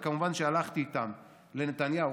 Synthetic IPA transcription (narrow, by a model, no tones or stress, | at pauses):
kamuvanʃealaχt̪iːt̪am | lenet̪anja